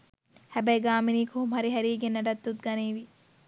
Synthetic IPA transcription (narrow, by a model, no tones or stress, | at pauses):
hæbɐjɡaːminiːkʰoɦumɦɐɾiɦæɾiːɡenːɐɖɐt̪ːut̪ɡɐniːʋi